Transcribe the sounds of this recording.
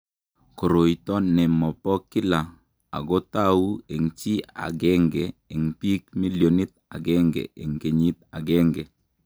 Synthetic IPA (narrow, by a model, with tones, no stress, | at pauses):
ko˨ɾo˨jtɔ˦nɛ˨mɔ˨pɔ˦kɪ˦la˨ | a̰˨ɡɔ˦ta˦wu˦e˨ŋt͡ʃi˦a̰˨ɡɛ˦ŋɡɛ˨e˨ŋpi˦k̚mi˦ljo˨ni˦t̪̚a̰˨ɡɛ˦ŋɡɛ̰˨ḛ˨ŋke˨ɲi˦t̪̚a˨ɡɛ˦ŋɡɛ˨